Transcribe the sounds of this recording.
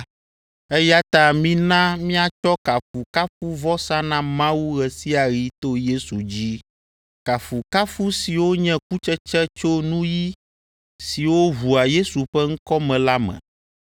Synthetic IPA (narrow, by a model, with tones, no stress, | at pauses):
ɛ˦ja˦t̪a˦˨mĩ˦nã˦mĩ˦a˨t͡ʃɔ˦ka˨fu˨ka˦fu˦vɔ˦sã˦nã˦mã˦wu˦ɣɛ˨si˦a˨ɾi˦t̪o˦je˦su˨d͡ʑi˦ | ka˨fu˨ka˦fu˦si˨wo˦ɲɛ̃˦k̚u˦t͡ʃɛ˦t͡ʃɛ˦t͡ʃo˦nũ˦ji˦ | si˨wo˦βu˨a˨je˦su˨ɸɛ˦ŋ̩˦kɔ˦mɛ̃˨la˦mɛ̰̃˨